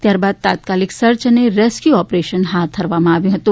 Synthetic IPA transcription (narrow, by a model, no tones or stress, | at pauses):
t̪jaːɾbaːd̪̚t̪a̰ːt̪̚kaːlɪksɐɾt͡ʃəneɾeːskjuɔːpɾeːʃənɦaːt̪̚ɐɾʋamãaːʋẽɦɐt̪ũ